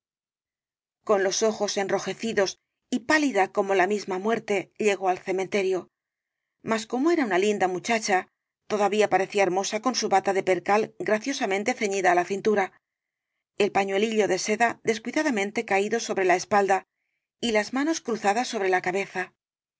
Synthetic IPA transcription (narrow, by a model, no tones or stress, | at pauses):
ko̞nlo̞so̞xo̞se̞nro̞xe̞θiðo̞s | ipaliðako̞mo̞lamizmamwe̞ɾt̪e̞ʎe̞ɣo̞alθe̞mẽ̞nt̪e̞ɾjo̞ | masko̞mo̞e̞ɾaunalind̪amut͡ʃat͡ʃa | t̪o̞ðaβiapaɾe̞θiaeɾmo̞sako̞nsuβat̪aðe̞pe̞ɾkalɡɾaθjo̞samẽ̞nt̪e̞θe̞ɲiðaːlaθint̪uɾa | e̞lpaɲwe̞liʎo̞ðe̞se̞ðaðe̞skwiðaðamẽ̞nt̪e̞kaiðo̞so̞βɾe̞lae̞spald̪a | ilazmano̞skɾuθaðasːo̞βɾe̞lakaβe̞θa